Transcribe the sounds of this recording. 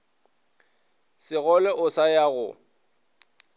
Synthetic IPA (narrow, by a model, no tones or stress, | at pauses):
sɪɣɔlɛʔʊsajaɣʊ̰